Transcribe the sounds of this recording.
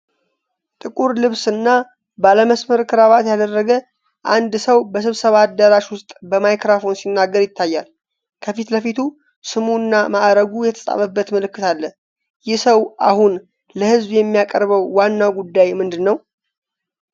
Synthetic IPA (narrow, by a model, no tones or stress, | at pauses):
t̪ʼɨkʼuɾlɨβsɨnːa | baləməsməɾkʰɨɾaβat̪jad̪ərːəɡə | ʔand̪səwbəs̬ɨβsəβad̪ːəɾaʃwʊst̪ʼbəmajkɾafo̞nsinːaɡːəɾjɪt̪ːajːal | kʰəfit̪ləfit̪ʰu | sɨmunːamaʔɾəɡujɛt̪ʰə̥sʼa̰βəbːət̪məlɨkːɨt̪ʰalːə | jɪhsəwʔa̰hun | ləhɨzβjɛmːijakʼəɾβəwːanːawɡud̪ːajmɨnd̪ɨnːəw